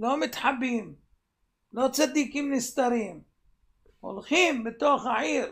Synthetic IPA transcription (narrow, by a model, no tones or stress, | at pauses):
loːmɪt̪ħabːiːm | loːt͡sad̪ːiːkiːmnɪst̪aɾiːm | hʊ̰lxiːmbɪt̪oxaʕiːɾ